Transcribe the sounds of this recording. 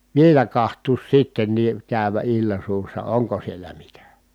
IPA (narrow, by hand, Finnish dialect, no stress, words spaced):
ʋielæ kɑhtˑuːs sitːenːiː kæˑy̞ʋæ ilːɑ suːsːɑ oŋko sielæ mitæ